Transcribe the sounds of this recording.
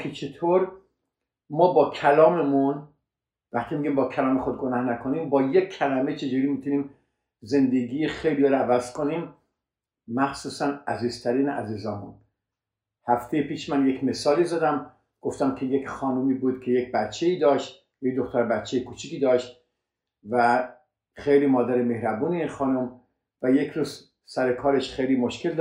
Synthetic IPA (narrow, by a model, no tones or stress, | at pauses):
kʰit͡ʃʰe̞t̪ʰoːɾ | mɒːbɒːkʰælɒːmemun | væxt̪ʰiːmiɡɟimbɒːkʰælɒːmexod̪̚ɡonæhnækʰoniːmbɒːjekʰːælæmet͡ʃʰe̞d͡ʒuːɾiːmit̪ʰuniːm | ze̞nd̪eɡiːjexejlijɒɾævæzkʰoniːmː | æxsuːsænæ̰ziːzt̪ʰæɾiːneʔæ̰ziːzɒːmṵn | hæft̪ʰejepiːʃmænjekʰʲme̞sɒːliːzɒːd̪æm | ɡ̥o̞ft̪æmkʰe̞jekʲxɒːnumiːbuːd̪̥kʲʰe̞jek̚bæt̪t͡ʃʰːeiːd̪ɒːʃt̪ | jek̚d̪oxt̪ʰæɾbæt̪t͡ʃʰejekʰuːt͡ʃʰikiːd̪ɒːʃt̪ | væ | xejliːmɒːd̪æɾeme̞hɾæbuːneinxɒːnum | væjekʰɾuːz̥ | sæɾekʰɒːɾe̞ʃxejliːmo̞ʃkeld̪